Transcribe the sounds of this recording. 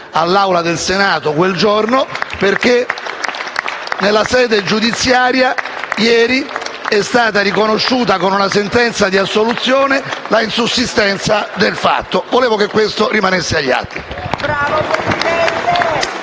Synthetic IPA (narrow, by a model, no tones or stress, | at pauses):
alːawlad̪elsenaːt̪okweld͡ʒornoperk̟e | nelːasɛːd̪ed͡ʒud̪it̪sːjaːɾjajɛːɾiɛst̪aːt̪aɾikonoʃːuːt̪akonunasent̪ɛnt̪sad̪iasːolut̪sːjoːnelainsusːist̪ɛnt̪sad̪elfa̰t̪ːovoleːvokekːwest̪orimanesːeaʎːa̰t̪ːibɾaːvopɾesid̪ɛt̪e